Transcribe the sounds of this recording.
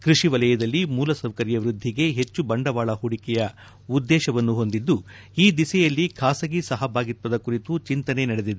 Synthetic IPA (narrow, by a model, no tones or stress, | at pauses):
kɾiʂiʋɐlɐjɐd̪ɐlːimuːlɐsɐwkɐɾjɐʋɾud̪ʱːiɡe̞ɦe̞t͡ʃːubɐɳɖɐʋaːɭɐhuɽikɛjɐ | ud̪ːɛːʃɐʋɐnːuɦo̞nd̪id̪ːu | iːd̪isɛjɐlːikʰaːsɐɡisɐɦɐbʱaːɡit̪ʋɐd̪ɐkuɾit̪ut͡ʃint̪ɐne̞nɐɽed̪id̪e